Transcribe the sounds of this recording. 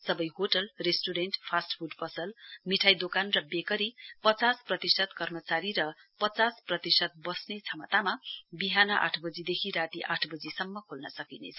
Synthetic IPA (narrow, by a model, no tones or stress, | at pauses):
sʌbʌjɦoʈʌlresʈuɾenʈpʰasʈpʰuɖpʌsʌlmiʈʰajd̪okanrʌbekʌɾipʌt͡sasprʌt̪isʌt̪kʌrmʌt͡saɾiɾʌpʌt͡sasprʌt̪isʌt̪̚bʌsnet͡sʰʌmʌt̪amabiɦanʌʔa̰ʈʰbʌd͡zid̪ekʰiɾat̪iʔaʈʰbʌd͡zisʌmːʌkʰolnʌsʌkinḛt͡sʰʌ